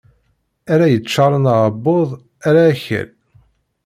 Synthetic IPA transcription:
æɾæjət͡ʃːɑɾˤənʕəbːoðˤ | æɾaːçə̰l

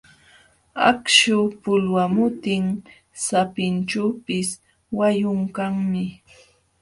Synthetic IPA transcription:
a̰kʃʊpʊlwamʊt̪ɪŋ | sapɪnt͡ʃawpɪs | wajʊŋkaŋmɪ

